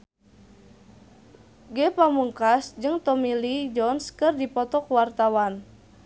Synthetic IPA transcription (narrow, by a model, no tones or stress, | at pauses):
ɡɛpamuŋkasd͡ʒɨŋt̪ɔmilid͡ʒɔnskɨrdipɔt̪ɔkwart̪awan